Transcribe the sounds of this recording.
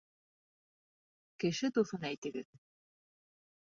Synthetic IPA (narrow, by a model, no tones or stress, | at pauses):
kɘ̆ʃɘt̪uθɤnæjt̪ɘ̆ɡɘð